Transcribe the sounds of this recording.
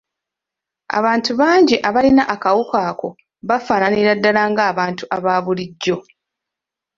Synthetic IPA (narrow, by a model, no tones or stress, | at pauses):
a̰βaːntuβaːɲɟiʔaβalinaʔakawukaːko̞ | βafaːnaniɾadːalaːŋɡaːβaːntuʔaβaːβuliɟːo̞